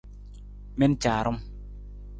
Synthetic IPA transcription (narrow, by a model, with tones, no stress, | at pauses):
me˦˧˦nt͡ɕaː˨ɾo˧˦m